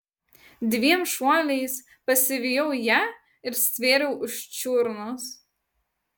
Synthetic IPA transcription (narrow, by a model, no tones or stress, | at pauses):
d̪ʲʋʲiɛmʃuɔlʲɛɪs | pɐsʲɪʋʲɪjɔʊjæː | ɪɾsʲʋʲeːɾʲɛʊʔʊʃt͡ʃʲʊɾnʊs